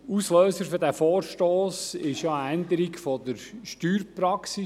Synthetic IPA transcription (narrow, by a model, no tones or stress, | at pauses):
usløːsəɾfydæfoːɾʃtoːsɪʃjɑəænd̪əɾikfɔd̪əɾʃtyːɾpɾɑksi